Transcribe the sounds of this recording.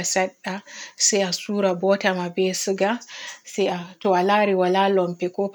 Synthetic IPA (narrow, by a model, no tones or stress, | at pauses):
saɗːasɛjasuːɾabɔtamabɛsɨɡasɛjatɔwalaɾiwalalɔmpɛkɔp